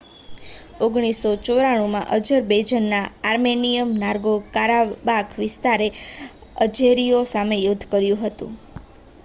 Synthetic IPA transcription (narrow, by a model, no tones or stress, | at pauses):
oɡɽ̃isot͡ʃoɾaɽ̃umã̰ʔəd͡ʒəɾbed͡ʒənːaaɾmenijəmnaɾɡokaɾabakʰʋɪst̪aɾe | əd͡ʒeɾiosamejod̪ʱːkəɾjũɦət̪ṵ̃